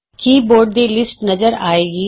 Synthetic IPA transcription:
kiːboːɾɖ̚d̪ilɪsʈnɐzəɾa̰ːeːɡiː

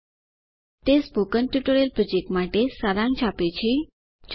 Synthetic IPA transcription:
t̪esbokənʈjuʈoɾelpɾod͡ʑek̚ʈmaʈesaɾãŋt͡ɕʰapet͡ɕʰe | t͡ɕ

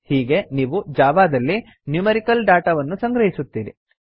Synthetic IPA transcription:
hiːɡe̞niːʋud͡ʒaːʋaːd̪ɐlːi | njumeɾikɐlɖaːʈɐʋɐnːusɐŋɡɾɐɦisut̪ːiːɾḭ

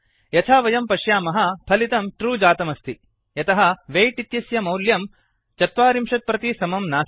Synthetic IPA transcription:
jɐt͡ʃʰaːʋɐjɐmpɐʃjaːmɐɦɐpʰɐlit̪ɐmʈɾuːd͡ʒaːt̪ɐmɐst̪ʰi | jɐt̪ɐɦɐ̆ʋeːjʈit̪jɐsjɐmɐwljɐm | t͡ʃɐt̪ʋaːɾimʂɐt̪̚pɾɐt̪isɐmɐmnaː

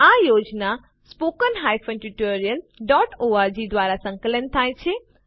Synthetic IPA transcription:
ajod͡ʒna | spokənɦajfənʈuʈoɾijəlɖɔʈoad͡ʒid̪ʋaɾasə̃ŋkələnt̪ʰajt͡ʃʰe

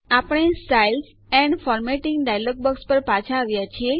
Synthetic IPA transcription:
apəɽ̃esʈajl | ɛɳɖfɔɾmeʈɪŋɡɖajlɔɡ̚bəkspəɾpat͡ʃʰaːʋjat͡ʃʰie

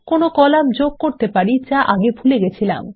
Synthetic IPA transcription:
konokɔlamd͡ʑoɡ̚koɾt̪epaɾit͡ɕaʔaɡebʱuleɡet͡ɕʰila̰m

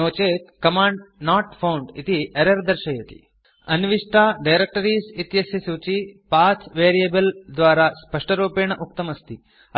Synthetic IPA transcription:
oːt͡ʃeːt̪kɐmaːɳɖnaːʈpʰɐwɳɖit̪iɐɾɐɾd̪ɐɾʃɐjɐt̪ḭ | ɐnʋiʂʈaːɖɐjɾek̚ʈɐɾiːsit̪jɐsjɐsuːt͡ʃipaːt͡ʃʋeːɾijɐbɐld̪ʋaːɾaːspɐʂʈɐɾuːpeːɳɐʔuk̚t̪ɐmɐst̪ʰi

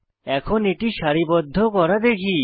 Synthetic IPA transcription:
ɛkʰoneʈiʃaɾibɔd̪ʱːokɔɾad̪ekʰi

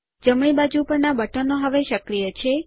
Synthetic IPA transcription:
d͡ʒəmɽ̃ibad͡ʒupəɾnabəʈənoɦəʋeʃəkɾijət͡ʃʰe

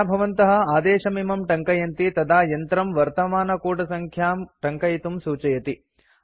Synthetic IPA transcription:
bʱɐʋɐnt̪ɐɦɐ̆aːd̪eːʂɐmimɐmʈɐŋkɐjɐnt̪it̪ɐd̪aːjɐnt̪ɾɐmʋɐɾt̪ɐmaːnɐkuːʈɐsɐŋkʰjaːmʈɐŋkɐjt̪umsuːt͡ʃɐjɐt̪i

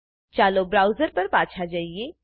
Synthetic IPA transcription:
t͡ʃaːlobɾaːʊzəɾpɐɾpaːt͡ʃʰad͡ʒaːie

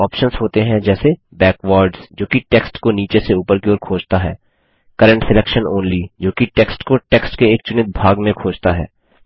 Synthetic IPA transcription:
ɔːpʃənzɦoːt̪eɦɛ̃d͡ʒɛːse | bɛːkʋaːɾɖzd͡ʒoːkiʈɛːksʈkoniːt͡ʃeseuːpəɾkioːɾkʰoːd͡ʒt̪aɦɛ̰ː | kəɾə̃ɳʈsɪlɛkʃənoːnlid͡ʒoːkiʈɛːksʈkoʈɛksʈkeːk̚t͡ʃʊnɪt̪̚bʱaːɡmẽkʰoːd͡ʒt̪aɦɛ̰ː

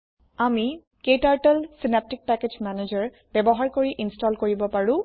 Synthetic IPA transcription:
ami | kejtaɹʈɛlsinap̚tik̚pɛked͡ʒmɛned͡ʒaɹ | bɛbɔɦaɹkoɹiʔinstɔlkoɹibɔpaɹʊ̃

